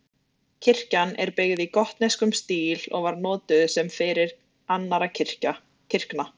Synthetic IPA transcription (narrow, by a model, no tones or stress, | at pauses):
cʰɪr̥canɛ̰ɾpɪɣðikɔht̪neskʏmst̪iːlɔ̰ɣvaɾnɔːt̪ʏsɛmfɪɾɪɾ | anːaɾacʰɪr̥ca | cʰɪr̥kna